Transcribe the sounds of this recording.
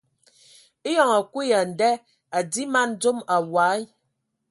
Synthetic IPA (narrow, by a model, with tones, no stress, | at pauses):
e˦jɔ˨ŋa˨ku˦ja˨n̩˨dɛ˦ | a˨di˦ma˦n˦d͡zo˦ma˨wa˨˦